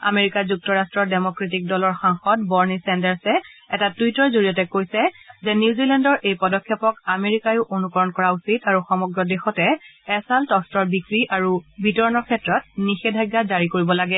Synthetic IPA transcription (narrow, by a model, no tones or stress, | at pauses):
a̰meɹikazuk̚tɔɹastɹɔdemɔkɹetik̚dɔlɔɹxaŋxɔtbɔɹnisɛndɛɹsɛɛtatuitɔɹzoɹijɔtɛkojsɛzɛnjuzilɛndɔɹʔejpɔdɔkʰːjɔpɔkameɹikajʊʔonukɔɹɔnkɔɹausitaɹuxɔmɔɡɹɔdexɔtɛɛsaltɔstɔɹbikɹiʔaɹubʱitɔɹɔnɔkʰɛtɹɔt̚nixedʱajɡːazaɹikoɹibɔlaɡɛ